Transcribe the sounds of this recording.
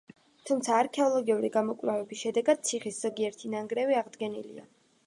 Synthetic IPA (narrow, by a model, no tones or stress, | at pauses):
t̪ʰumt̪sʰaːɾkʰɛɔlˠɔɡiuɾḭɡamɔkʼlavɛbisʃɛd̪ɛɡad̪̥̚t̪sʰiχisz̥ɔɡiɛɾt̪ʰinaŋɡɾɛviaʁd̪ɡɛnḭlḭa̰